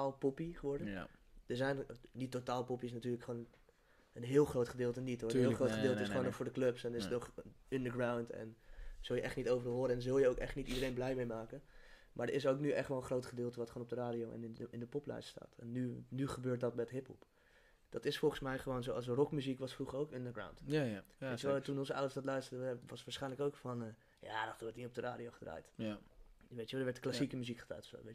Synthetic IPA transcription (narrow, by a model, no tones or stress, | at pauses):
aːlˠpɔpiχəʋɔɹdəd̥əɹzɛjnditotaːlˠpɔpiɪs̬natyːɹləkχoːn | ənɦɪːlˠχrowtχədɪːlˠtənitɦoɹəɪːlˠχroχədɪːlˠtəɪsχownɔxfʊːɹdəklɵpsɛnɪsətnɔχəndəɡɹawntɛ̰nz̥ɵlˠjəʔɛχtnitowvərlˠɦoːɾəɛndəzɵlˠjəowkɛχtnitidəɾejnblɛjmejmaːkənmaːɹdəɹɪs̬owknyʔɛχtʋɔlˠəχrowtχədɪːlˠtəʋɑtχoːnɔp̚dəraːdijowɛ̰nɪndəpɔplɛ̰jststa̰ːtɛnːynyχəbøːɹt̚dɑtmɛtɦɪpə̰lˠp | d̥ɑtɪsfɔlˠχənsmɛjχəʋownzowɑsrɔkmyzikʋɑsfruχəɹowkəndəɡɹa̰wntetəʋɛltunɔnzəawdəɹsdɑtlœɥstəɹdəʋəʋɑsʋaːɹsχɛjnləkowkfɑnə | ja̰ːdɑtduɹtnitɔp̚dəra̰ːdiowχədra̰ːjt | ʋejtəʋɛldəɹʋɛɹtklasikəmyzikχəd̥ra̰ːjtɔfso̰ːʋej